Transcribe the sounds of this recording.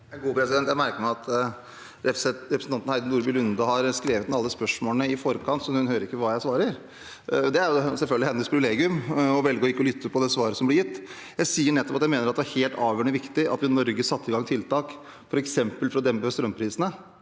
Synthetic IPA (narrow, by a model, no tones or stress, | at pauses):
ɛnɡuːpʰɾɛsɪdɛnt̪jæɪmæɾkəɾmɛɑt̪ | ɾɛɛɾɛpɾsn̩ɑnt̪n̩hæɪnuːɾbɪːlʉnd̪ɑhɑɾskɾeːʋət̪nɑlːəspœʂmoːlnəɪfɔɾkʰɑnt̪sɔhʉnhøːɾəɾɪkːəʋɑːjæɪsʋɑːɾəɾ | d̪ɛæɾjʊsɛlfœlɡ̪lɪhɛnːəspʰɾɪʋɪleːɡɪʉmɔʋɛlɡəɔjɪkːɔlʏt̪ːəɾpɔd̪ɛsʋɑːɾəsɔmblɪɾjɪt̪ː | jæɪsiːəɳɛt̪ːɔpɑt̪jæɪmeːnəɾɑt̪d̪ɛæɾheːlt̪ɑːʋjøːɳʋɪkt̪ɪʔɑ̰t̪ʋɪnɔɾɡəsɑt̪ːɪɡɑŋːt̪ʰɪlt̪ʰɑːk | fɔɾɛksɛmpəlfɔɾɔd̪ɛmpəɛst̪ɾœmːpʰɾiːsənə